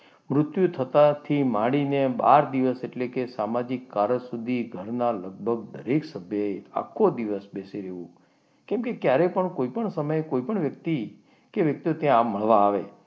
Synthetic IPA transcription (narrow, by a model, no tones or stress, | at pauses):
mɾʊt̪jut̪ʰət̪at̪ʰimaɽineba̰ɾd̪iʋəseʈlekesamad͡ʒikːaɾəsud̪ʱiɡʱəɾnaləɡ̚bʱəɡ̚d̪əɾeksəbʱjəea̰kʰːod̪iʋəsbesiɾeʋṵ̃ | kɛ̃mkekjaɾepəɳkoipəɳsəməjkoipəɳʋjəkt̪i | keʋjək̚t̪iot̪jãmːəɭʋaːʋe